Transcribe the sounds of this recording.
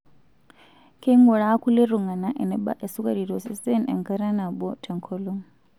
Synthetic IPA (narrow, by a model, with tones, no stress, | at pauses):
kʰe˦ŋɡɔ˨ɺa˦a˦kʰu˦le˦ɾu˨ŋa˨na˦ʔɛ˨nɛ˦ɓa̰˦ʔɛ˨su˦kʼa˦di˨ɾɔ˨sstʼɛ˦nɛ̰˨ŋka˦ɾa˦na˨bɔ˦tʰɛ˨ŋkʰɔ˦lɔ˦ŋ